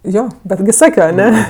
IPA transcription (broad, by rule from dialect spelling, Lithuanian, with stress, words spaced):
ˈjoː ˈbʲæːdʲɡʲɪ ˈsɑːkʲoː ɐˈnʲɛ